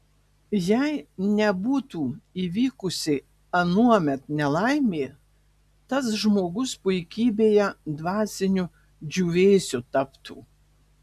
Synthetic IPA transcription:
jɛɪnʲɛbuːt̪uːiːʋʲiːkʊsʲɪ | ɐnuɔmʲɛt̪nʲɛlˠɐɪmʲeː | t̪ɐs̬ʒmoːɡʊspʊɪkʲiːbʲeːjɛd̪ʋɑːsʲɪnʲʊ | d͡ʒʲuːʋʲeːsʲʊt̪ɐpt̪ʰṵː

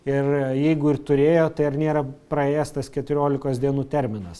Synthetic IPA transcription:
ɪrjɛɪɡʊɪrt̪ʊɾʲeːjoːt̪ɐɪɐɾnʲeːɾɐpɾɐeːjɛst̪ɐskʲɛt̪ʊɾʲoːlʲɪkoːsd̪ʲiɛnuːt̪ʲɛɾʲmʲɪnɐs

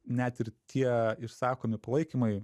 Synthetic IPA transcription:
nʲæt̪ɪɾt̪ʲʰiɛɪɾsɑːkoːmʲɪpɐlˠɐɪkʲimɐɪ

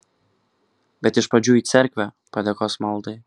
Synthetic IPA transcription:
bʲɛt̪ɪʃpɐd͡ʒʲuit̪sʲɛɾʲkʋʲɛpɾɐd̪ʲɛkɔsmɑlˠd̪ɨ

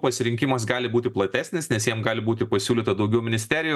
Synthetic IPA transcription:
pɐsʲɪɾʲɪŋʲkʲɪmɐs̬ɡɑːlʲɪbuːt̪ʲɪplˠɐt̪ʲæːsʲnʲɪsnʲɛsjiɛmɡɑːlʲɪbuːt̪ʲɪpɐsʲuːlʲiːt̪ɐd̪ɐʊɡʲɛʊmʲɪnʲɪsʲt̪ʲæːɾʲɪjʊ

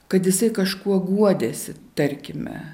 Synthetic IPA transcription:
kɐt̪jɪsɐɪkɐʃkuɔɡuɔd̪ʲeːsʲɪt̪ɐɾʲkʲɪmʲɛ̰

